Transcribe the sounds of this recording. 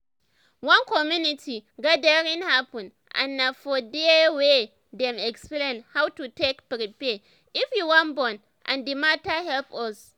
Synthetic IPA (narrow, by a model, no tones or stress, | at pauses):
wɐŋkɔmjunɪtʰiɡadeɾɪnhapʊ̃n | ʔa̰nːafɔdewe | dɛmɛksplẽnhawtutekpɾipɛ | ʔɪfjuwãnbɔn | ʔã̰ndimataɦɛlpɔs